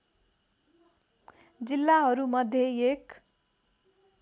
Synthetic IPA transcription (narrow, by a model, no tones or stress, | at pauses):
d͡zilːaɦʌɾumʌd̪ʱːjeek